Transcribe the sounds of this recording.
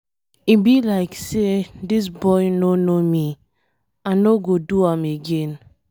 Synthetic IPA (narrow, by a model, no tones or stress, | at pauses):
ibilaɪksedis̬bɔɪnonomi | anoɡoduameɡen